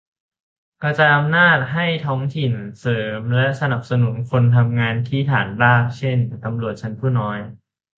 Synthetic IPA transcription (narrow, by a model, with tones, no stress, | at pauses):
ka˧˩t͡ɕa˨˧jʔa˧mnaː˥˩t̪̚ɦa˥˩jt̪ʰɔː˦˥ŋt̪ʰi˨˩nsɤː˩˦mlɛ˦˥ʔsa˧na˨˩p̚sa˧nu˨˩˦nkʰo˧nt̪ʰa˧mŋaː˧nk̪ʰiː˦˥˩t̪ʰaː˩˦nbaː˥˩k̚t͡ɕʰe˥˩nt̪a˧mɾu˨˩ət̪̚t͡ɕʰa˦˥npʰuː˥˩nɔː˦˥j